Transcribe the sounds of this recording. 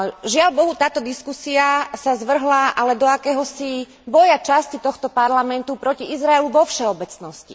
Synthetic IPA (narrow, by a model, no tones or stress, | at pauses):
ʒɪaʎbɔɦut̪aːt̪ɔd̪iskusiasazʋr̩ɦlaʔalɛd̪ɔakɛːɦɔsi | bɔjat͡ʃascit̪ɔxt̪ɔpaɾlamɛnt̪upɾɔciizɾaɛluʋɔfʃɛɔbɛt͡snɔscḭ